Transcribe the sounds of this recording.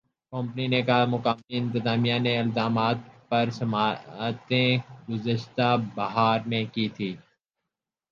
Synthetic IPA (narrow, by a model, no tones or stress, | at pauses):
kɔ̃ːmpninekamʊkaːmiɪ̃nt̪ɪzaːmijaneɪlzaːmaːt̪̚pɐɾsɐmaːt̪ẽɡʊzəʃt̪abɐɦaːɾmẽkiːt̪ʰiː